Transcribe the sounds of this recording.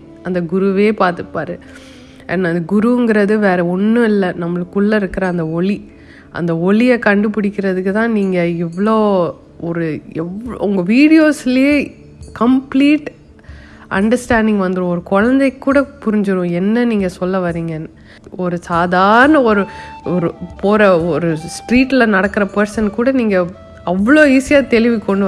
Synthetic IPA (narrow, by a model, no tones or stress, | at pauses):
ɐnd̪ɐɡʊɾuʋeːpaːɾt̪ɯpːaːɾɯ̃ | ɛ̰nːaɐnd̪ɐɡʊɾuŋɡɪɾɐðɯʋeːɾɛɔnːɯɪlːɛnɐmːɐɭɯkːʊɭːɐɪɾɯkːɪɾɐ̃ɐnd̪ɐɔɭi | ʔɐ̰nd̪ɐɔɭɪjɐkɐɳɖɯpɪɽɪkʲːɪɾɐðɯkːɯt̪ãːniːŋɡɐɛʋːɐɭoː | ɔɾɯɛʋɭʊŋɡɐʋiːɽɪjoːsɪlɪjeː | kɐmpliːʈ | ɐ̰ɳɖɐɾsʈaːɳɖɪŋɡʋɐnd̪ɯɾʊ̃ɔɾɯkɔɻɐnd̪ɐɪkːuːɽɐpʊɾɪɲd͡ʒɯɾũɛnːɐniːŋɡɐsɔlːɐʋɐɾiːŋɡɐnː | ɔɾɯsaːðaːɾɐnɐɔɾɯɔɾɯpoːɾɐɔɾɯsʈɾiːʈːɪlɐnɐɽɐkːɪɾɐpɐɾsɐnkuːɽɐniːŋɡɐ | ɐʋːɐɭoːiːsɪjaːt̪ɛlɪʋikːɔɳɖɯʋ